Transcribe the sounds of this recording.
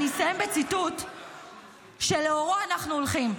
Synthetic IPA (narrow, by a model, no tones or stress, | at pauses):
nisaje̞mbe̞t͡sit̪ut̪ | ʃe̞leoʁoanaχnuolχim